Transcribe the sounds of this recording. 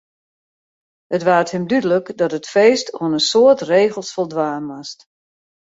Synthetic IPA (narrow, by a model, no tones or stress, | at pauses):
hətʋaːəthɪmdydələkdɔtətfeːstʰoənəsoətreːɣəlˠsfolˠdʋaːnmast